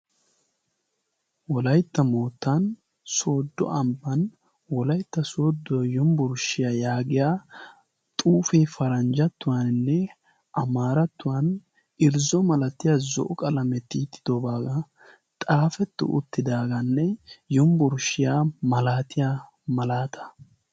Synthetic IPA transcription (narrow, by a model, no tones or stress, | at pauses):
wɔlɐjt̪ːɐmoːt̪ːɐn | soːd̪ːɔ̰ʔɐmbɐn | wɔlɐjt̪ːɐsoːd̪ːɔjɔmbʊɾʃɪjaːjaːɡɪjaː | t̪ʼuːfɛfɐɾɐnd͡ʒɐt̪ːʊwɐnɪnːɛ | ʔɐmaːɾɐt̪ːʊwɐn | ʔɪɾzɔmɐlɐt̪ːɪjaːzɔ̰ʔɔkʼɐlɐmɛt̪ːit̪ːɪ̥d̪̥ɔbaːɡɐ | t̪ʼaːfɛt̪ːʊ̰ʔʊ̰t̪ːɪd̪aːɡɐnːɛjɔmbʊɾʃɪjaːmɐlaːt̪ɪja | mɐlaːt̪ʰɐ̥